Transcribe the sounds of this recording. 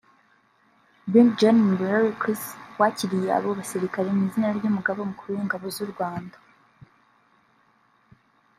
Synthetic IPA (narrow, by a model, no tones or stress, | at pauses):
bind͡ʒanmibɾaɾikiswaːciɾije̞a̰βoβasiɾikaɾe̞niːzinaɾɟumuɡaβomukuɾujiŋɡaβo̞zuɾɡwaːndḁ